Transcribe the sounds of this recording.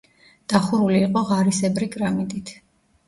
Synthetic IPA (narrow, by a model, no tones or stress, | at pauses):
d̪̥aχuɾuliːqʼɔʁaɾisɛbɾiɡʼɾamid̪ʼit̪ʰ